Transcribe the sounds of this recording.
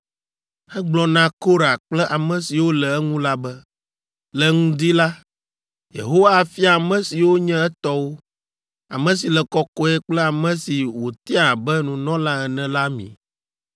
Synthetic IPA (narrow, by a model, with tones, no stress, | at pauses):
ɛ˦ɡ͡blɔ˦nã˦ko˦ɾa˨k͡plɛ˦ʔa˨mɛ̃˨si˨wo˦lɛ˨ɛ˦ŋũ˦la˦bɛ˦ | lɛ˨ŋũ˦d̪i˦la˦ | jḛ˨ɦo˦wa˦˨fi˦a˨mɛ̃˦si˨wo˦ɲɛ̃˦ɛ˦t̪ɔ˦wo˦ | a̰˨mɛ̃˨si˨lɛ˨kɔ˦kɔ˦ɛ˦k͡plɛ˦a˨mɛ̃˦si˨wo˨t̪i˦a˨bɛ˦nũ˨nɔ̃˦lã˦ɛ˨nɛ̃˨la˦mḭ̃˨